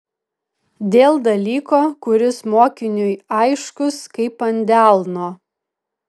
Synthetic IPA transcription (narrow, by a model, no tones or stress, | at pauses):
d̪ʲeːlˠd̪ɐlʲiːkoːkʊɾʲɪsmoːkʲɪnʲʊjɐɪʃkʊskɐɪpɐnʲd̪ʲæˑlˠnoː